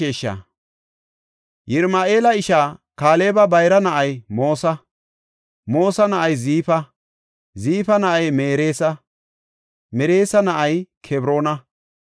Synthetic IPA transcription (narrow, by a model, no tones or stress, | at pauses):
eːʃːɐ̰ | jɪɾmaːʔe̞ːlɐɪʃaːkaːle̞ːbɐbɐjɾɐnɐʔɐjmoːsɐ | moːsɐnɐʔɐjziːfɐ | ziːfɐnɐʔɐjmeːɾe̞ːsɐ | mɛɾe̞ːsɐnɐʔɐjkʰɛbɾo̞ːnɐ